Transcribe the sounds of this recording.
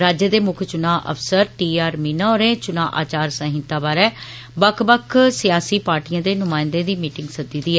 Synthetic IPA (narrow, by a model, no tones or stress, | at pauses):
ɾaːd͡ʒəd̪eːmʊkʰt͡ʃʊnãːʔə̰fsəɾʈiːaːɾmiːnãːɾẽːt͡ʃʊnaːʔaːt͡ʃaːɾsə̃ːɦɪ̃nt̪aːbaːɾɛː | bəkʰbəkʰsɪjaːsiːpaːɾʈijãːd̪eːnʊmaːɪnd̪ẽːd̪iːmiːʈɪ̃ŋɡsəd̪iːd̪iːɛː